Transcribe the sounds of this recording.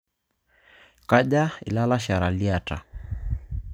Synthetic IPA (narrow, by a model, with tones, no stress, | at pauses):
ka˦ʄa˦ḭ˨la˦la˦ʃa˨ɾa˨li˦a˨ta̰˨